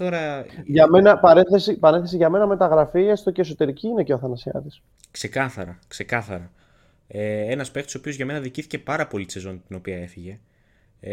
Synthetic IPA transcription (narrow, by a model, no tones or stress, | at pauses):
t̪o̞ɾɐʝɐme̞nɐpɐɾeθesipɐɾenθe̞siʝɐme̞nɐme̞t̪ɐɣɾɐfiest̪oceso̞t̪e̞ɾiciine̞ceoθɐnɐsiɐ̰ðis | kse̞kɐθɐɾɐkse̞kɐθɐɾɐ | eenɐspkt̪o̥sopio̞zʝɐme̞nɐðiciθi̥ce̞pɐɾɐpo̞lit̪sezo̞nt̪ino̞piɐe̞θiʝe̞